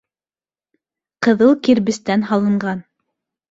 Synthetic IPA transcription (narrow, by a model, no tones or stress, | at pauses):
qɤ̆ðɤlˠkiɾβɘ̆st̪ænɦɑlˠɤ̆ɴɢɑn